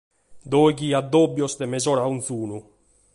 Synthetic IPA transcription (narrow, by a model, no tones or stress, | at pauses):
d̪ɔjkiad̪ːɔbːjɔsd̪emezɔɾaunθuːnu